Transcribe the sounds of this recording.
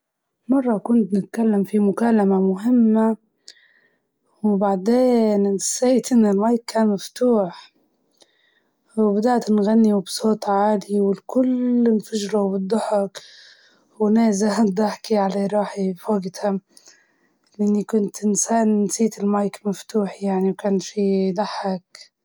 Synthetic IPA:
mɑrˤːɑkʊnt̪nɪt̪kalːamfimʊkaːlamamʊɦɪmːa | wbaʕd̪eːnsaːt̪ʔɪnːɪlmajkːaːnmaft̪uːħ | wbad̪aʕt̪nɣanːiwbsoːt̪ˤʕaːd̪iwɪlkʊlɪnfaʒɾawbɨd̪ˤːʊħɑk | wnaːzad̪aħkiʕalaɾˤɑːħifoːɡt̪ʰa | lʔɪnːikʊnt̪ʔɪnsaːnsiːt̪ɪlmajkmaft̪uːħjaʕniwkaːnfid̪aħak

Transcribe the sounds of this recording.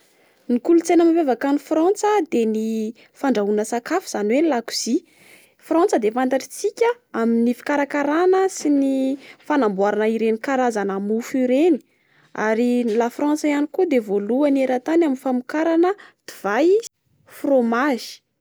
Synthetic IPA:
nikulut͡senamavevakanifrant͡səd̪eni | faɳɖ͡ʐaunəsakafiz̥anwelaku̥z̥i | frant͡səd̪efant̪aʈ͡ʂi̥t͡sikʲə | aminifi̥kaɾakaɾanəsinifanambuaɾanəiɾenikaɾazanamufiɾeni̥ | a̰ɾilafrant͡saianikud̪evoluaneɾat̪anaminfamukaɾanəd̪̥iv̥aj | fromaʒi̥

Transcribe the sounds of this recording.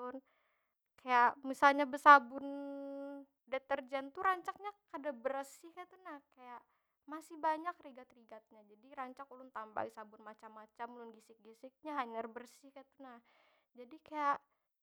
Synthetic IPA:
ʊn | kajaʔmisalɲabəsabʊn | dɛt̪ərd͡ʒɛnt̪uɾaɲt͡ʃak̚ɲakadabəɾsɪhkat̪unahkajaʔ | masɪhbaɲak̚riɡat̪riɡat̪̚ɲad͡ʒadiɾaɲt͡ʃakulʊnt̪amba̰isabʊnmat͡ʃamːat͡ʃamlʊnɡisɪk̚ɡisɪk̚ɲaɦaɲərbərsɪhkat̪unah | d͡ʒadikajaʔ

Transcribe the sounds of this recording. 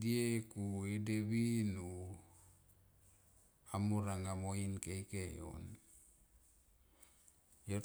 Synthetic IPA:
diekuedeβinu | amuɾaŋamoinkejkejo̰n | jo

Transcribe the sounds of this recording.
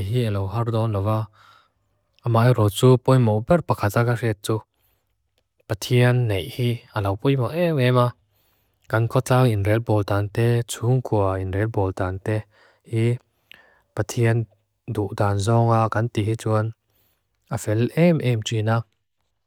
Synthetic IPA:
jɦielowɦard̪ɔnlɔwa | ʔamajrɔt͡supɔjmɔbɛrpakʰat̪̚akarɛt̪̚t͡su | pat̪ʰiənːejʔhiːʔalawpujmɔʔɛmɛma | kankʰɔt͡saŋinrɛlbɔlt̪aːnt̪ɛt͡sʰuŋkʰuɐinrɛlbɔlt̪aːnt̪ɛ | hi | pat̪ʰiən | d̪uʔd̪aːnzɔŋakant̪iɦit͡suən | ʔafɛlʔɛmʔɛmt͡swinaːk̚

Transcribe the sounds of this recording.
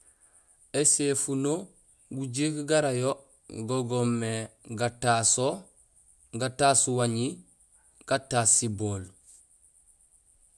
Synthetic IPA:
esefuno | ɡuɟikɡaɾajo | ɡoɡomːeɡataso | ɡatasuwaɲi | ɡ̥ataːsiboːl

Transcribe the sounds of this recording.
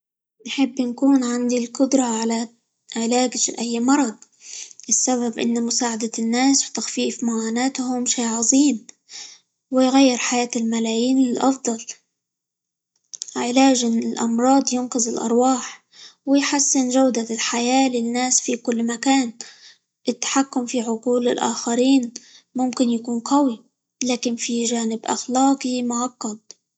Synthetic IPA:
nħɪbːnkuːnʕand̪ilkʊd̪ɾˤɑʕala | ʕɪlaːɡfḭʔajːmɑɾˤɑ | ʔɪsːaβabʔɪ̰nːmʊsaːʕad̪anːaːswt̪axfiːfmʊʕaːnaːt̪ɦʊmʃiːʕɑzˤiːm | wɪjɣajːɪɾħajaːt̪ɪlmalaːjiːnɪlʔɑfd̪ˤɑl | ʕɪlaːʒɪɪlʔɑ̰mɾˤɑːd̪ˤjʊnqɪzɪlʔɑ̰ɾˤwɑːħ | wɪjħasːɪnʒawd̪alħajaːlɪnːaːsfikʊlːmakaːn | ʔɪt̪ːḁħakːʊmfiʕʊquːlɪlʔa̰ːxaɾiːnmʊmkɪnjakuːnqɑwi | laːkɪnfiʒaːnɪbʔa̰xlɑːqimʊʕɑqːɑd̪̚

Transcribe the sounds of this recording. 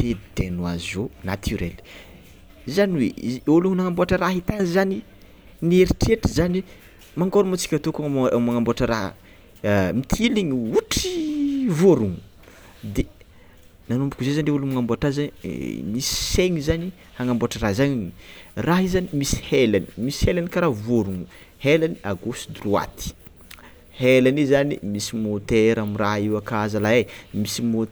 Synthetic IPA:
t̪ed̪enwa̰zizonat̪ʰyɾḛl̥ | zaniweiuluŋunaŋamboaʈ͡ʂəraɦit̪anizani | neɾiʈ͡ʂeʈ͡ʂizani | maŋkoɾumat͡si̥kʲat̪okamaŋamboaʈ͡ʂəɾaɦ | mit̪ʰiliɲiuʈ͡ʂivoɾuŋu | d̪e | nanumbukuzezaniɖ͡ʐeulumaŋamboaʈ͡ʂazanimisi̥seŋizani | haŋamboʈ͡ʂərazaɲiraɦizanimisi̥helani̥misi̥helanikaɾavoɾuŋu | helaniaɡosd̪rua̰t̪i̥ | helanizanḭmisimot̪eɾamiraiwakazalaemisimo

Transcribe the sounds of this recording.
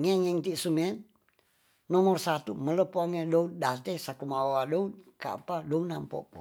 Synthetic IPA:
ŋɛŋɛŋt̪isumɛt̪̚ | nɔmɔrsat̪umələpuaŋedout̪̚dat̪ɛsakumawadɔutka̰padɔunampɔ̰pṵ

